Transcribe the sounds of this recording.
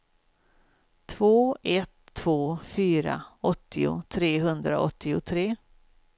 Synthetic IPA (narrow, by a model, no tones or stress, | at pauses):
t̪ʰvoːɛt̪ʰːv̥oːfyːɾa̰ɔt̪ʰːɪʊ̰t̪ʰɾeːɦɵnd̪ɾa̰ʔɔt̪ʰːɪʊt̪ʰɾeː